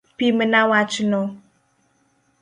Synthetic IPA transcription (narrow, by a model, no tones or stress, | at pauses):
pimənawat͡ʃuno